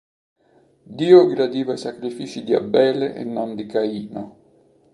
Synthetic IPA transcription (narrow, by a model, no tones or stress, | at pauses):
d̪iːoɡɾad̪iːvaisakɾifiːt͡ʃid̪ia̰bːɛːleʔḛnːɔnd̪ikaiːno